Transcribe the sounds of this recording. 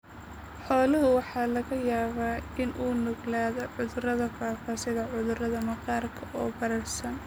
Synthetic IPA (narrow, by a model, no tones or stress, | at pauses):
ħɔːlʊɦʊwɑħɑːlɐɣɐjaːβaːɪnʔuːnʊɣlaːðɔʕʊðʊrɐðɐfaːfaːsɪðɐʕʊðʊrɐðɐmɐqɑːrkʰɐʔɔːbɐɾɐrsɐn